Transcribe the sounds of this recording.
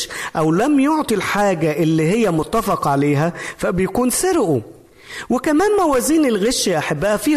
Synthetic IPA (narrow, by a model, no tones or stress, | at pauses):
ʔæwlæmjoʕt̪ˤilħaːɡæʔɪlːiːhɪjːæmʊt̪ːæfɑqʕaleːɦæfæbɪjækuːnsɪɾʔu | wɪkæmæːmmæwæːziːnɪlɣeʃːæʔaħabːæːhæfiː